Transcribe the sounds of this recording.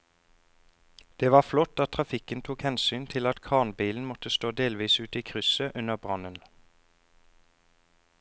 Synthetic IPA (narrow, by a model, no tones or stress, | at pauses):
d̪̥eːʋɑːflɔt̪ɑt̪ʰʁɑfɪkənt̪ʰuːkhɛnsyːnt̪ʰɪlɑt̪kʰɑːʁnbiːln̩mɔt̪əst̪oːd̪eːlʋiːsʉːt̪iːkʰʁʉsəʔʉnəʁbʁɑnən